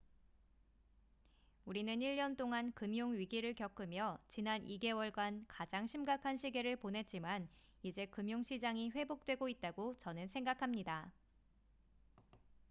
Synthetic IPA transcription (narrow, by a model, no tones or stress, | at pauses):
uɾinɯniʎːʌnt͈oŋankɯmjoŋɥiɡiɾɯɭkjʌk͈ʰɯmjʌt͡ɕinanʔiɡe̞wʌɭɡankad͡ʑaŋɕʰimɡakʰanɕʰiɡe̞ɾɯɭponɦe̞t̚t͡ɕ͈iman | id͡ʑe̞kɯmjoŋɕʰid͡ʑaŋiɸwe̞bok̚t͈we̞ɡoit̚t͈aɡot͡ɕʌnɯnsʰe̞ŋɡakʰamɲida